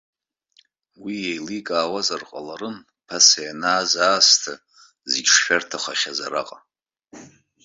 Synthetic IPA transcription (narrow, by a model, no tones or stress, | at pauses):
wijejlikʼaːwazarqʼalaɾɨn | pʰasajanaːzaːstʰa | ziɡʲʂʃᶣartʰaχʷaχʲazaɾa̰qʼa